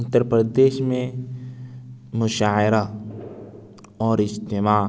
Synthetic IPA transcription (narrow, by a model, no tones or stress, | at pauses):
ʊt̪ːəɾpɾəd̪eːʃmẽ | mʊʃaːɪɾa | ɔːɾɪst̪emaː